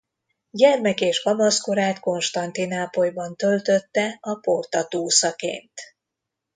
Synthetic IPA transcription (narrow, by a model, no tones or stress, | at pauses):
ɟɛrmɛkeːʒɡɒmɒskoɾaːt̪ko̞nʃt̪ɒnt̪inaːpojbɒnt̪ø̞lt̪ø̞t̪ːɛɒpo̞rt̪ɒt̪uːsɒkḛːnt̪